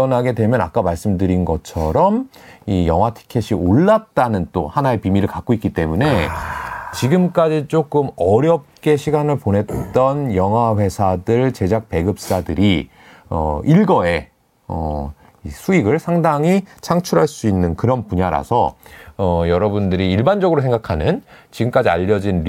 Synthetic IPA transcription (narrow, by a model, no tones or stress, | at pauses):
ʌnɦaɡe̞dwe̞mjʌna̰k͈amaɭs͈ɯmdɯɾinɡʌt͡ɕʰʌɾʌmijʌŋɦwatʰi̥kʰeɕʰioɭːat̚t͈anɯnt͈ohanae̞pimiɾɯɭkak͈̚oik͈it͈e̞mune̞ | t͡ɕiɡɯmk͈ad͡ʑit͡ɕ͈ok͈ɯmʌɾjʌp̚k͈e̞ɕʰiɡanɯɭponɦe̞t͈ʌnjʌŋɦwaɸwe̞sʰadɯɭt͡ɕe̞d͡ʑak̚pe̞ɡɯp̚s͈adɯɾi | ʌ̰iɭɡʌe̞ | ʌ̰ | isʰuiɡɯɭsʰaŋdaŋit͡ɕʰaŋt͡ɕʰuɾɦaɭs͈uinːɯnkɯɾʌnpuɲaɾa̰sʰʌʌjʌɾʌbundɯɾiiɭband͡ʑʌɡɯɾos̬ʰe̞ŋɡakʰanɯnt͡ɕiɡɯmk͈ad͡ʑia̰ʎːʌd͡ʑin